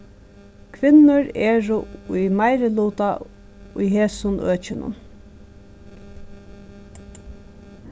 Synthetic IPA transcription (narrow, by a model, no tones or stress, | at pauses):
kʰʋɪnʊɹeːɹʊʊjmaɪɾɪluːt̪a | ʊjɦeːsʊnʔøːt͡ʃɪnʊ̰n